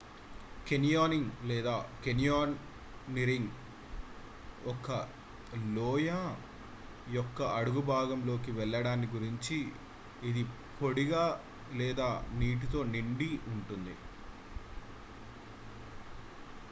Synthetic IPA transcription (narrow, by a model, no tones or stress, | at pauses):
kenijaːniŋɡlɛːd̪aːkenijaːn | niɾiŋɡ | ɔkːɐ | lɔːja | jɔkːɐʔɐɽuɡubʱaːɡɐmlo̞ːkiʋɛɭːɐɽaːnːiɡuɾiɲt͡ʃiː | d̪i | po̞ɽiɡaː | lɛːd̪aːniːʈ̬it̪o̞ːniɳɖiuɳʈund̪ḭ